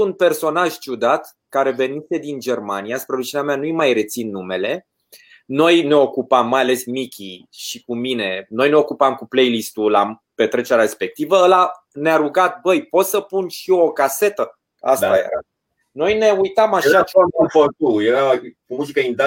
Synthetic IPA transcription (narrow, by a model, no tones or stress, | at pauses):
unpe̞rso̞naʒt͡ʃud̪at̪ | kaɾe̞ve̞nise̞d̪ind͡ʒe̞rmanijaspɾe̞ɾut͡ʃineameanujmajre̞t̪sinːume̞le̞ | no̞jne̞o̞kupamːajale̞smikʲḭ | ʃikumine̞no̞jne̞o̞kupamkuplejlist̪ulape̞t̪ɾe̞t͡ʃeɾaɾespe̞k̚t̪ivəəla | neaɾuɡat̪̚bəjpo̞t̪səpunʃio̞kase̞t̪ə | a̰sajḛɾa̰ | no̞jne̞ujt̪amaʃat͡ʃaomfot̪ujeɾakumuzikəind̪a